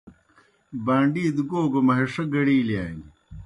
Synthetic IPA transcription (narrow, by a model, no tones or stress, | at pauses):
baːɳɖiːd̪ɡoːɡomɐɦeʂɐɡɐɽiːljaːŋi